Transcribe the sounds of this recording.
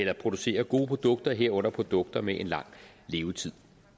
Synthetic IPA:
elɐpʰʁo̝d̥use̝̰ːɐɡ̥o̝ːpʰʁod̥ɔ̽ɡ̥̚d̥ɐɦe̝ɐ̰ɔ̽n̰ɐpʰʁo̝d̥ɔ̽ɡ̥̚d̥ɐmeʔe̝nlɑ̈ŋ̰ | le̝ːʊt͡sʰið̰ˠ

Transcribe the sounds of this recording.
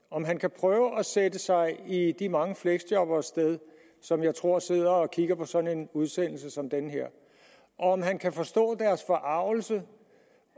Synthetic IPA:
ɒ̽mɦænkʰæpʰʁœːʊəʔɒsedəsɑ̈ɪid̥imɑ̈ŋəfleɡ̥sd̥ɒ̽b̥ɐsd̥eð̞ˠ | sɒ̽mjɑ̈ɪt͡sʰʁo̝ɐ̰se̝ð̞̰ˠɐ̽ːkʰiɡ̥ɐpʰɒ̽sɒ̽ne̝nuð̞ˠsen̰l̩səsɒ̽md̥enəɦeɐ̰ | ʔɒ̽ɒ̽ɒ̽mɦænkʰæfɒ̽sd̥ɔ̰̽ːd̥æɐsfɒ̽ʔɑ̈ʊ̰l̩sə

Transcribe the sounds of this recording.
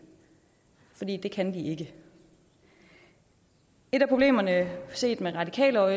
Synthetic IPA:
fɒ̽d̥ḭːd̥e̝kʰænd̥ie̝ɡ̥ə | e̝ɾ̥æpʰʁob̥le̝̰ːmɐnəse̝̰ːd̥meʁɑ̈d̥ikʰɛ̰ːləɒ

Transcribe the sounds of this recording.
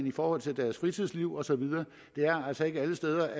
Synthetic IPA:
nifɒːhɒ̽l̰t͡sʰe̝ld̥æɐsfʁit͡sʰið̰ˠsliʊ̰ɒ̽sɒ̽ʋið̞ˠɐː | d̥e̝æɐæl̰sɒ̽e̝ɡ̥əæləsd̥eːð̞ˠɐʔæ

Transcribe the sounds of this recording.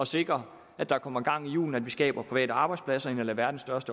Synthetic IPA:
ɒ̽se̝ɡ̥ʁɐ | æd̥ɑ̈kʰɒ̽m̰ɐɡ̥ɑ̈ŋ̰ijṵːln̩æd̥ʋisɡ̥ɛ̰ːb̥ɐpʰʁiʋɛ̰ːdɾəɑ̈ːb̥ɑɪ̥splæsɐe̝nælæʋæɐd̥n̩sd̥ɶɐsd̥ə

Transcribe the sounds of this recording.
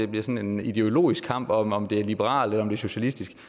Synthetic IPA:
e̝b̥liɐsɒ̽ne̝nid̥e̝o̝lo̝̰ːisɡ̥kʰɑ̈m̰b̥ɒ̽mɒ̽md̥e̝æɐlib̥eʁɑ̰̈ːlelɐɒ̽md̥e̝ɕo̝ɕælisd̥isɡ̥

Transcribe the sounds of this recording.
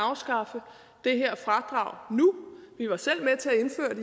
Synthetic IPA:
ɑ̈ʊsɡ̥ɑ̈fə | d̥e̝ɦeɐ̰fʁɑd̥ʁɑ̰̈ʊ̰nuʋiʋɑ̈sel̰met͡sʰe̝æe̝nfø̰ːɐd̥i

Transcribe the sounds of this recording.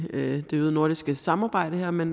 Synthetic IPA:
ød̥e̝yðˠno̝ɐ̰d̥isɡ̥əsɑ̈mɑ̈ːb̥ɑ̈ɪ̰ɾ̥əheɐ̰men

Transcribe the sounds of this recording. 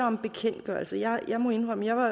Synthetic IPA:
ɐɒ̽mb̥e̝kʰen̰d̥ɡ̥ɶɐlsəjɑɪjɑ̈ɪmoe̝nʁœməjɑ̈ɪʋɑ̈

